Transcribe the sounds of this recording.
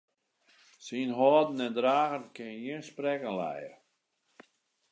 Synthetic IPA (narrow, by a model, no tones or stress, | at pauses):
sinɦɔːdn̩ɛndɾaːɣənkʰɪnəjiənsprɛkənlɛ̰jə